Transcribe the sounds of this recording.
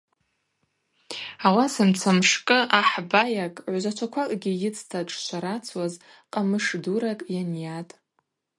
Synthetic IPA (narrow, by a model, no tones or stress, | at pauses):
awasamt͡sʰamʂkʼɨʔaħbajakʼʕʷzʷat͡ʃʷʰakʷʰakʼɡʲijɪt͡sʰʼtʰaʈ͡ʂʼʃʷaɾat͡sʰwaz | qʼamɨʂduɾakʼjanjatʼ